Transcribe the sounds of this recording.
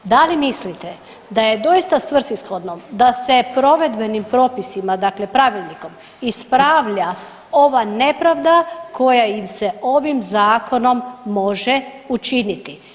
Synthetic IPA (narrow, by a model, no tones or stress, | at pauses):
d̪alimislit̪e | d̪aje̞d̪o̞ist̪ast̪ʋr̩sisxod̪nomd̪ase̞pɾo̞ʋe̞d̪be̞nimpɾo̞ːpisimad̪akle̞pɾaʋilʲniko̞m | ispɾaːʋʎa | o̞ʋane̞pɾaʋd̪akʰo̞jaimse̞o̞ʋimzaːko̞no̞mːo̞ʒe | ut͡ʃinit̪i